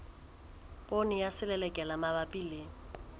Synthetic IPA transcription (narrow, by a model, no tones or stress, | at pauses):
pʼonɪjasɪlɛlɛkʼɛlamabapʼileːŋ̩